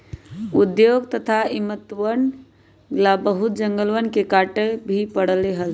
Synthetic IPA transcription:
ud̪joɡt̪ət̪ʰaimət̪wən | labəɦut̪̚d͡ʒəŋɡəlʋənkekaʈebʱipəɽəleɦəl

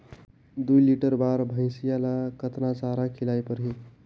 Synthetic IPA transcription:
d̪ujliʈəɾbaɾbʱə̃ɪ̃sijalakət̪nasaɾakʰilajpəɾɦi

